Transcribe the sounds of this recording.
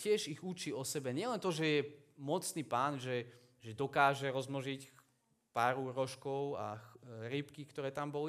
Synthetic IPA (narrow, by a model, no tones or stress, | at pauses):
cɪɛʒiɣut͡ʃiɔsɛbɛɲɪɛlɛnt̪ɔʒɛjɛmɔt͡sniːpaːnʒɛ | ʒɛd̪ɔkaːʒɛɾɔzmɔʒic | paːɾuɾɔʃkɔʊa̰ɾipkikt̪ɔɾɛːt̪ambɔli